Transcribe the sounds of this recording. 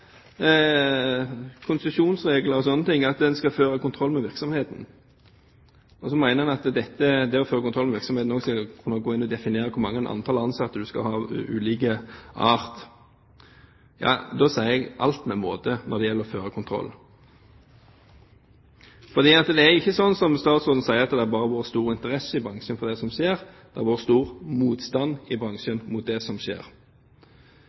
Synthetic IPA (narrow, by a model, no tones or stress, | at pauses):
kʰʊnsʉʃuːnsʁeːɡləɾɔsɔnːət̪ʰɪŋːɑt̪d̪ɛnskɑføːɾəkʊnt̪ʰɾɔlːmɛʋɪɾksɔmheːt̪n̩ | ɔsɔmæɪnəmɑnɑt̪d̪ɛt̪ːəd̪ɛɔføːɾəkʊnʰɾɔlmɛʋɪɾksɔmheːt̪n̩oːɡskɑlkʰʉnːəɡoːɪnːɔd̪ɛfɪneːɾəkʰʊɾmɑŋːənʔɑ̰nt̪ʰɑːlɑnsɑt̪ːəd̪ʉskɑ̰hɑ̰ːʉ̰ːliːk̬əɑ̰ːʁt̪ | jɑ̰ːd̪oːsæɪəɛɡʔɑ̰lt̪mɛmoːt̪ənʔɔɾd̪ɛjɛlːəɾɔføːʁəkʰʊnt̪ʰɾɔ̰lː | fɔd̪iːɑt̪d̪ɛæjɪçːəsɔnːsɔmst̪ɑːt̪sʊd̪n̩sæɪəɾɑt̪d̪ɛæbɑːʁəʋoːɾst̪uːɾɪnt̪əʁɛsːəɪbʁɑŋʂənfɔʁd̪ɛsɔmʃeːʁd̪̥ɛæʋoːʁst̪uːʁmuːt̪st̪ɑnɪbɾɑŋʃənmʊt̪̚d̪ɛsɔmʃḛːɾ